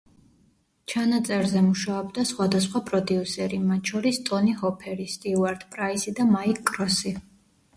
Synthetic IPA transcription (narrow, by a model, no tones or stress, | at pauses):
t͡ʃʰanat̪sʼɛɾzɛmuʃaɔbd̪asχwad̪asχwapʼɾɔd̪iusɛɾimat̪t͡ʃʰɔɾist̪ʼɔniɦɔpʰɛɾist̪ʼiuaɾd̪pʼɾaisid̪amaikkʼːɾɔsi